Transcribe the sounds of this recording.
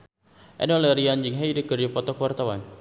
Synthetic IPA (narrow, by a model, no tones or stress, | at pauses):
ʔɛ̰nɔləɾiand͡ʒiŋɦajdəkərd͡ʒapɔt̪ɔkwart̪awan